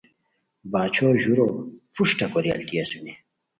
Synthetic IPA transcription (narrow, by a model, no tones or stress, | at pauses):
baːt͡ɕʰoːʑuɾopuʂʈɐkoɾja̰lt̪iɐsune